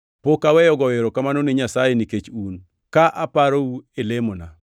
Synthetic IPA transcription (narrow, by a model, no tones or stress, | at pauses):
pokawɛjɔɡɔweɾokamanonɪɲasajeniket͡ʃun | kaʔapaɾouelemona̰